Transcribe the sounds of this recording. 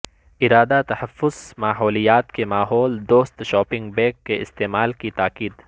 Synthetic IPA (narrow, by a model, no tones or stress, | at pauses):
ɪɾaːd̪at̪ɐhɐfːʊzmaːɦɔːlijaːt̪kemaːɦɔːld̪oːst̪ʃɔːpɪ̃ŋɡbɛ̃ːkːeɪst̪eːmaːlkit̪aːkiːd̪